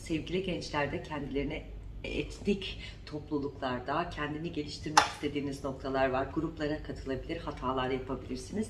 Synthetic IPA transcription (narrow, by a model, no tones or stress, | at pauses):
sɛvɟilʲiɟɛnt͡ʃlʲæɾd̪ɛcʰɛnd̪ilʲe̞ɾinɛ | ɛ̰t̪ʰnʲic | t̪ʰo̞plˠulˠuklˠaɾd̪acʰɛnd̪iniɟe̞lʲiʃt̪ʰiɾmɛci̥st̪ʰe̞d̪iːnizno̞k̚t̪ʰalˠaɾvaɾɡuɾuplˠaɾakʰat̪ʰɯlˠabilʲiɾhat̪ʰaːlˠaɾd̪ajapʰabilʲiɾsiniz̥